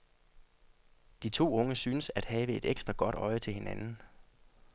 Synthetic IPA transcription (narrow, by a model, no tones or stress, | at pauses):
d̥it͡sʰo̝̰ːɔ̽ŋəsyːnəsæd̥hɛːʋəe̝d̥eɡ̥sd̥ʁɐɡ̥ɒ̽d̥ɒ̽ɪət͡sʰe̝lhe̝nænn̩